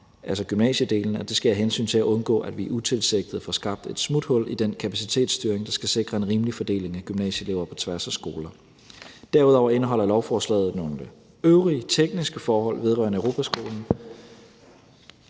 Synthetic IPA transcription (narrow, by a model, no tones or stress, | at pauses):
ʔælsɒ̽ɡ̥ymnɛ̰ːɕəd̥e̝̰ːln̩æd̥e̝sɡ̥ææɦensy̰ːnt͡sʰe̝læʔɔ̽nɡ̥ɔ̰̽ːædʋiʔut͡sʰe̝lseɡ̥̚d̥ð̩ˠfɒ̽sɡ̥ɑ̈b̥̚d̥e̝d̥smud̥hɔ̽l̰id̥enkʰæpʰæsit͡sʰe̝̰ːd̥sd̥yːɐeŋd̥ɑ̈sɡ̥æse̝ɡ̥ʁɐe̝nʁiːməlifɒ̽d̥e̝̰ːle̝ŋæɡ̥ymnɛ̰ɕəle̝ːʊɐpʰɒ̽t͡sʰʋæɐsæsɡ̥o̝ːlɐ | d̥æɐuð̞ˠɒʊɐe̝nəɦɒ̽l̰ɐlɒʊfɒːslɛ̰ð̩ˠnɔndə | øʊʁiət͡sʰeɡ̥̚nisɡ̥əfɒːhɒ̽l̰ʋe̝ð̞ˠʁɶ̰ɐnəøʊo̝ːpʰæsɡ̥o̝̰ːln̩